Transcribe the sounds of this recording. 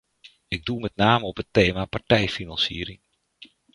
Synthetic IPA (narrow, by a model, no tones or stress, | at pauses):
ɪɡ̚dumɛtnaːməɔpəteːmapaɹtɛjfinansiəɾɪŋ